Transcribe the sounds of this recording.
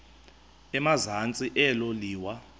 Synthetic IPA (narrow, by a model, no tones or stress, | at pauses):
ɛmazant͡sʼiʔɛloliːwa